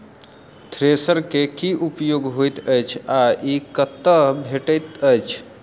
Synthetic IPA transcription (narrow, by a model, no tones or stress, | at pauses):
t̪ʰɾesəɾkekiʔupjoɡɦojt̪əjt͡ʃʰaikət̪ːəbʱeʈəjt̪əjt͡ʃʰ